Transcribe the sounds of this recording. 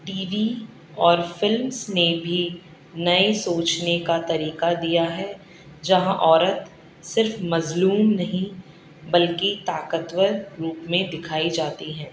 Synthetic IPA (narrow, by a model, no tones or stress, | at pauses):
ʈiːʋi | ɔːɾfɪlmsnebʱi | nɐesoːt͡ʃnekat̪ɐɾiːkad̪ijaɦɛ | d͡ʒɐɦãʔɔːɾət̪ | sɪɾfmɐzluːmnɐɦĩ | bɐlkit̪aːkət̪wəɾɾuːpmẽd̪ɪkʰaːid͡ʒaːt̪iɦɛ̃ː